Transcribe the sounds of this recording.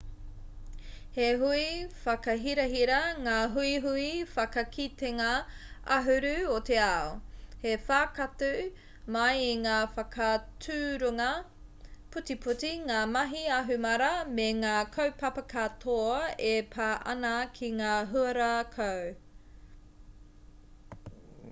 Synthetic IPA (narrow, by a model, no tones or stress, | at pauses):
heɦuifɐkɐɦiɾɐɦiɾɐŋaːɦuiɦuifɐkɐkʰiteŋɐɐɦʉɾʉot̪eaohefaːkɐtʉ | mɐjiŋaːfɐkʰɐtʰʉːɾuŋɐ | pʰutipʰutiŋaːmɐɦiɐɦʉmɐɾɐmeŋaːkʰowpɐpɐkʰatʰoepʰaːʔɐ̰nɐkʰiŋaːɦuɐɾakʰow